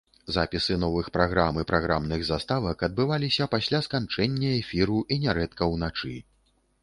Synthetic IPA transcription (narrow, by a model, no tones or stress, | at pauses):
zapʲisɨn̪ɔvɨxpɾaɣɾamɨpɾʔaɣɾamnɨɣzast̪avɐkɐd̪̚bɨvalʲisʲɐpasʲlʲaskant͡ʂɛnʲːɐɛfʲiɾuʔinʲɛɾɛt̪kɐwnat͡ʂɨ